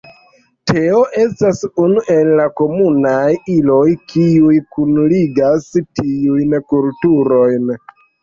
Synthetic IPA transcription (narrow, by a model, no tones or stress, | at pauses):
tʰe̞o̞ʔe̞stasunuʔenlako̞munajilo̞jkʰiujkunliɡastiujnkultuɾo̞jn